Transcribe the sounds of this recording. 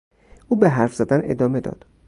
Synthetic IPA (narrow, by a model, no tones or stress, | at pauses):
ʔuːbeɦæɾfz̥æd̪æne̞̰d̪ɒːme̞d̪ɒ̰ːd̪̥